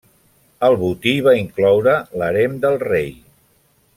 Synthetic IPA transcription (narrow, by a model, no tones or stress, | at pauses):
əlˠβut̪iβaiŋklɔwɾələɾemd̪əlˠrej